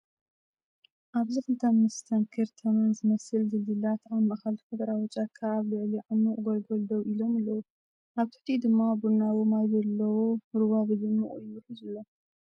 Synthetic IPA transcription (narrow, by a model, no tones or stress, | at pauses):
ʔaβzikɨlt̪ʰɐmːɨst̪ʰɐnkʰɐɾt̪ʰɐmanzɨmɐsɨlzɨlɨlat̪amːɐkalt̪ʰfɐd̪ɐɾawɔt͡ʃʼakʰːaːβlɨʕliʕanːuʔʼɡolɡold̪owilo̞mɨlːɐwu | ʔaβt̪ʰɨ̥ħt̪ʰid̪ɨmːabunawomajzɐlːɐwoɾɨβaβɨd̪ɨmːuʔʼujɨħuzɨlːo